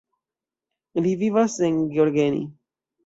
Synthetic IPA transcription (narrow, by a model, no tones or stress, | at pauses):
livivaseŋɡjoɾɡenḭ